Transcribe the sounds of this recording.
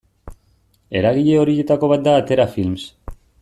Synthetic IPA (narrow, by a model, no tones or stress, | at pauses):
e̞ɾaɣ̞iʎe̞o̞ɾije̞t̪ako̞β̞at̪̚d̪aːt̪e̞ɾafilms